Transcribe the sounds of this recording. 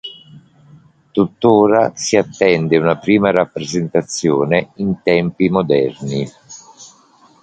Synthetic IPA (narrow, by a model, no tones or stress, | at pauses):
t̪ut̪ːoːɾasiat̪ːɛnd̪eunapɾiːmaɾapːɾezent̪at̪sːjoːneint̪ɛmpimod̪ɛrni